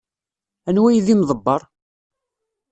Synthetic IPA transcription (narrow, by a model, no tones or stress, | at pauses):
ænwæjðimðˤəbːɑɾˤ